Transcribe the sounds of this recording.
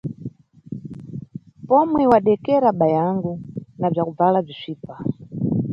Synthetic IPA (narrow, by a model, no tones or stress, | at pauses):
pɔmwɛwaɗɛkɛɾaɓajaŋɡunab͡ʐakub͡valab͡ʐiʂʷiːpa